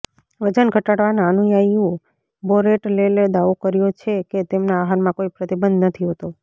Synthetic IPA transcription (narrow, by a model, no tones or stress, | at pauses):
ʋəd͡ʒənɡʱəʈaɽʋanaənũjajjũ | boɾeʈleled̪aʋokəɾjot͡ʃʰeket̪emnaːɦaɾmãkoipɾət̪ibənd̪nət̪ʰiɦot̪o